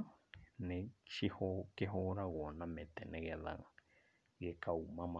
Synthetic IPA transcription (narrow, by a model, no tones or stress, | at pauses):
nẽʃihokeɦoɾawonãmẽt̪enẽɣeða̰ŋ | ɡekawmãmã